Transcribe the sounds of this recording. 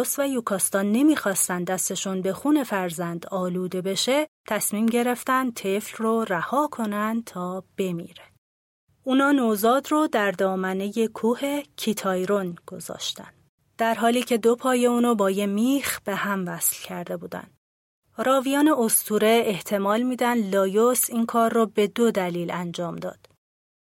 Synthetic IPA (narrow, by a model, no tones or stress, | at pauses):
osvæjukʰɒːst̪ɒnːe̞miːxɒːst̪ænd̪d̪æst̪e̞ʃuːnbe̞xuːne̞fæɾzænd̪ɒːluːd̪e̞be̞ʃe̞t̪ʰæsmiːmɟe̞ɾe̞ft̪ænd̪̚t̪ʰeflroræhɒːkʰo̞nænd̪t̪ʰɒːb̥e̞mḭːɾe̥ | uːnɒːnozɒːd̪rod̪æɾd̪ɒːmæne̞je̞kʰuːhe̞cʰit̪ʰɒːjɾonɡ̥o̞zɒ̰ːʃt̪æ̰nd̪̥ | d̪̥æɾɦɒːliːcʰe̞d̪opʰɒːjeuːnɔbɒːjemiːxb̥e̞hæmvæslcʰæɾd̪e̞buːd̪æ̰nd̪ | ɾɒːvijɒːne̞ost̪ʰuːɾe̞ːht̪ʰe̞mɒːlmiːd̪ænd̪lɒːjosiːnkʰɒːrːɔbe̞d̪od̪æliːlænd͡ʒɒːmd̪ɒ̰ːd̪̥